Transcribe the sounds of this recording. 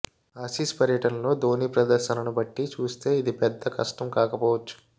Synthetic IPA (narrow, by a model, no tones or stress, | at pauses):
ɐːsiːspɐɾjɐʈɐnɐlo̞ːd̪o̞ːniːpɾɐd̪ɐɾʃɐnɐnubɐʈːit͡ʃuːst̪e̞ːid̪ipɛd̪ːɐkɐ̰ʂʈɐmkaːkɐpɔːʋɐt͡ʃːu̥